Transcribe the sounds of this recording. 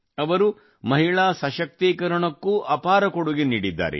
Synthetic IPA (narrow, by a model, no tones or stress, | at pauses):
ɐʋɐɾu | mɐɦiɭaːsɐʃɐk̚t̪iːkɐɾɐɳɐkːuʔɐpaːɾɐkoɽuɡeniːɽid̪ːa̰ːɾḛ